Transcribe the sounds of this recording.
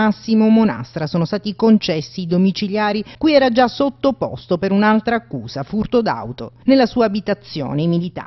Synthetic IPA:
asːimomona̰st̪ɾasoːnost̪aːt̪ikont͡ʃɛsːid̪omit͡ʃiljaːɾikujɛːɾad͡ʒasot̪ːopɔ̰st̪opeɾunalt̪ɾaːkːuːzafurt̪od̪a̰wt̪o̰nelːasuːaːbit̪at̪sːjo̰ːnemilit̪a̰ː

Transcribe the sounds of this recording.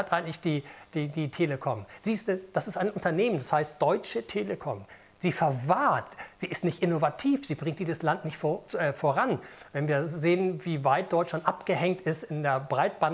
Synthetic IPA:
atʔaɪɡŋ̩tlɪçd̥iːd̥iːd̥iːtʰeːləkʰɔmz̥iːstud̥asɪstaɪnʔʊntɐneːməndashaɪst̚d̥ɔʏt͡ʃətʰeːləkʰɔm | z̥iːfɛɐvaːɐtz̥iːɪstnɪçtʔɪnovatʰiːfz̥iːbʁɪŋtd̥iːzəslantnɪçtfoɛfoːʁanvɛnviːɐzeːənviːvaɪt̚d̥ɔʏtʃlantʔapɡ̥əhɛŋtɪstɪndeːɐbʁaɪt̚b̥aː

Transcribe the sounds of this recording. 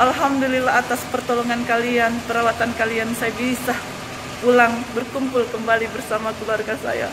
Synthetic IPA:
ʔalɦamdulilaɦat̪aspərt̪oloŋankalianpəɾawat̪ankaliansajabisah | pulaŋbərkumpʊlkəmbalibərsamakəluarɡasa̰ja̰

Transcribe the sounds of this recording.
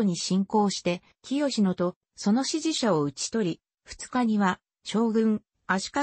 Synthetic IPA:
oɲ̟iɕĩŋko̞ːɕi̥t̪e̞ | kʲijo̞ɕinot̪o̞ | so̞no̞ɕiʑiɕaoɯ̟t͡ɕi̥t̪o̞ɾʲi | ɸɯ̟̥t͡sɨ̥kaɲ̟iβa | ɕo̞ːɡɯ̟̃ŋ | aɕi̥ka

